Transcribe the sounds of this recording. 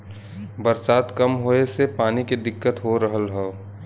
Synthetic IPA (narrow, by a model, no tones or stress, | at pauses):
bɐɾsaːt̪kɐmɦoːesepaːniked̪ɪkːət̪ɦoɾəɦəlɦɛ